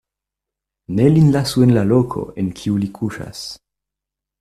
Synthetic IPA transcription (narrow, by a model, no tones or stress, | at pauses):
nelinlasuenlalokʰo̰enkʰiulikʰuʃa̰s